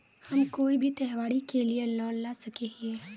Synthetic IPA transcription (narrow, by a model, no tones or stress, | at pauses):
hɐmkoːibʱit̪ɛɦʋaːɽikelielɔːnnasɐkeeː